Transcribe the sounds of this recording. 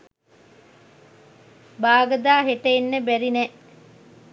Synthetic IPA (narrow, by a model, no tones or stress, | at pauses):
baːɡəd̪aːɦeʈeenːəbæɾinɛʔ